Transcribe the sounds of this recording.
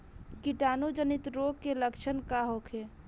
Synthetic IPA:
kiʈaːnud͡ʒənit̪ɾoɡkeləkt͡ʃʰənkaɦokʰe

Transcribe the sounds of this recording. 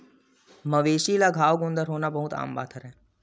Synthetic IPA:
mɐʋeːʃilaɡʱaːʋɡʊ̃nd̪əɾɦoːnabɐɦut̪a̰ːmba̰ːt̪ʰəɾɦɛ̃ː

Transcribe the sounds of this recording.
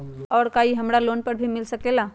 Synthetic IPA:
ɔːɾkaːiɦɐmɾaloːnpɐɾbʱimɪlsɐkeːlaː

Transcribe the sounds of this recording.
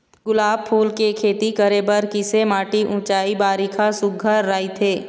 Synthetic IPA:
ɡʊlaːbpʰuːlkekʰeːt̪ikəɾebəɾkɪsemaːʈiʔũːt͡ʃaːibaːɾikʰasʊɡʱəɾːaːit̪ʰeː

